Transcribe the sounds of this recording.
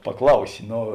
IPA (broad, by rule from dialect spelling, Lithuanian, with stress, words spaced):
pɐˈklˠɐʊsʲɪ ˈnoː